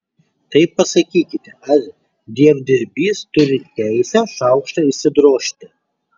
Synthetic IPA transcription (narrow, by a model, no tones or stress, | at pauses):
tɐɪpːɐsɐkʲiːkʲɪt̪ʰʲearʲ | d̪ʲiɛvd̪ʲɪrʲbʲiːstʊɾʲɪtʲæjsʲɛʂawkʂtɐisɪd̪roːʃt̪ʲɪ